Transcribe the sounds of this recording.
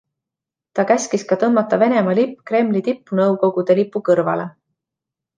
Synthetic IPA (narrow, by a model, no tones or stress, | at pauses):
t̪ɑkæsʲkiskɑt̪ɤmːɑt̪ːˑɑve̞ne̞mɑlipːkre̞mlit̪ipːunɤwko̞ɡ̥ud̪̥e̞lipːˑukɤrvɑ̰le̞